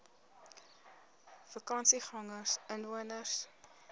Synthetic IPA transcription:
fəkɑnsiχɑŋərsənvuənərs

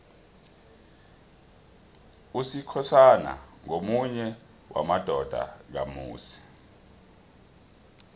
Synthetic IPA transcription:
usikʰɔsana̰ŋomuɲɛ | wamad̥ʱɔd̥ʱa̰k̬amṵːsi̥

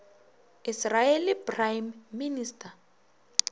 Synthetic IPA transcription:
israelipʼrajmːinistʰʼa

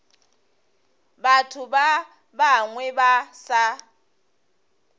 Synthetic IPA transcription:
batʰʊba | baŋwɛbasa

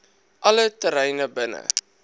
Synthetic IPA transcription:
ʔɐlətəɾɛjnəbənə̰

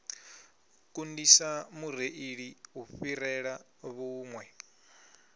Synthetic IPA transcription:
kʼundisamur̤eʔiɺiuɸirɛɺa | βuːŋwɛ

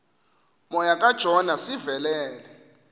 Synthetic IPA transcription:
mɔjakʼad̥ʒ̥ʱɔnasivɛlɛːlɛ

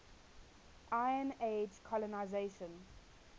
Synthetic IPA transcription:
ʔaɪə̃ned͡ʒkʰɔlɔnaɪzeʃə̃n

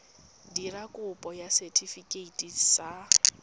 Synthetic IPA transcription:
dirakʼʊpʼɔjasɛtʰifikʼeitʼidsa

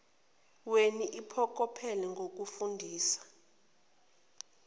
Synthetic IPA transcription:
weniʔipʰɔk̬ʼɔpʰɛlɛŋɡʱok̬ufundʱiːsḁ

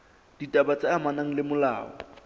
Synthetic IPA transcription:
d̥itʼabat͡saamanaŋ̩lɪmʊla̰ːɔ̰

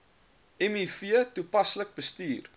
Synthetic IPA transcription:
ɛmifiətupɐslək̚bəstiːr

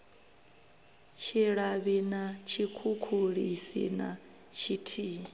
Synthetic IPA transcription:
t͡ʃʰiɺaβinat͡ʃʰikʰukʰuɺisḭna | t͡ʃʰitʰiː

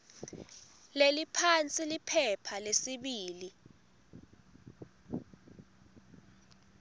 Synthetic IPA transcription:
lelipʰant͡sʼilipʰɛpʰalesiɓiːli

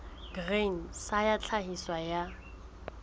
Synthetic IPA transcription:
ɡreŋ̩sajat͡ɬʰahiswaja

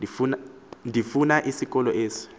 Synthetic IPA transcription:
ifun | ndifunaʔisikʼɔlɔʔeːsi̥

